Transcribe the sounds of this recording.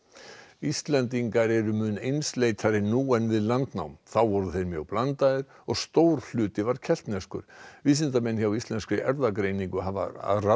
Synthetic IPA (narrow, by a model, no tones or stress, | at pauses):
ist̪lɛnt̪iŋkaɾɛɾʏmʏnejnslejt̪ʰaɾɪnuːɛnvɪðlant̪na̰wmθawvɔɾðʏθejɾmjœɣplant̪aðɪɾ̥ | ɔɣst̪owɾ̥l̥ʏːt̪ɪvaɾ̥cʰɛl̥t̪nɛskʏ̰ɾ̥visɪnt̪amɛnçjawist̪lɛnskɾɪʔɛɾðakɾeːjniŋkʏɦava̰ra